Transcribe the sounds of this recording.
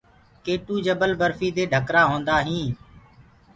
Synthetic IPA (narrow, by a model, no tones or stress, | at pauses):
keːʈuːd͡ʒəbəlbəɾfiːd̪eːɖʱəkɾaːɦõːnd̪aːɦĩː